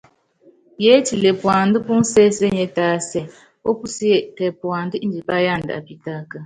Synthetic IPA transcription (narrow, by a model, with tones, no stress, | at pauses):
je˦ti˨le˨pwa˨n˦dɨ˦pu˦n̩˦sɛ˦se˦ɲɛ˦taː˦sɛ˦ | o˦pu˦si˦jɛ˦˨kɛ˨pwa˨n˦dɨ˦i˦d͡ʒi˨pa˦ja˦˨ndɨ˨a̰˨pi˨ta˦kə˦